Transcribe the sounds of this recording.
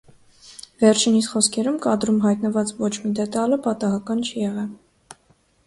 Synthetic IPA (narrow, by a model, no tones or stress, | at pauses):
vɛɾt͡ʃʰinisχɔskʰɛɾumkɑd̪ɾumɦɑjt̪nəvɑt͡svɔt͡ʃʰmid̪ɛt̪ɑləpɑt̪ɑɦɑkɑnt͡ʃʰijɛʁɛl